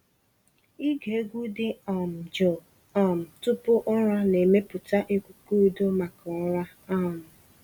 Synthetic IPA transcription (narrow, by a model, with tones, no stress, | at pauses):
i˦ɡe˨e˦ɡʷu˦dɪ˦˨m̩˨d͡ʒɔ˨ | ɔ˦˨m̩˨tʊ˦pʊ˦ʔɔ˦ɾɔ˦ne˨me˦pʊ˨ta˦ʔe˦kʷu˨ku˦do˦ma˨kɔ˨˦ɾa˦ | ɔ˦˨mʊ˨